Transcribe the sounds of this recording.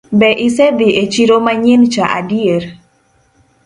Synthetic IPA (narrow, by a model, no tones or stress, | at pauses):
bɛʔisebiʔet͡ʃiɾomaɲent͡ʃaʔa̰dieɾ